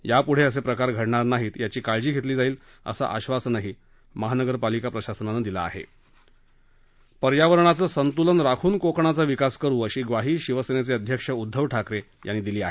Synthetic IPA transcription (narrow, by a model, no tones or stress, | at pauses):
japuɽ̤eəs̬epɾəkaɾɡʱəɽɳaɾnaɦiːt̪jat͡ɕiːkaɭd͡ʑiːɡʱet̪liːd͡zaiːl | ə̰sa̰ʔa̰ɕʋasnaɦiː | məɦanəɡəɾpalikapɾəɕasənanəd̪ila̰ːɦḛ | pəɾjaʋəɾɳ̃at͡səːsənt̪ulənɾakʰuːnkokɳat͡saʋikaskəɾuːəɕiːɡʋaɦiːɕiʋəsenet͡seəd̪ʱjəkʂəud̪ʱːəʋʈʰakɾe | janːiːd̪iliːa̰ɦe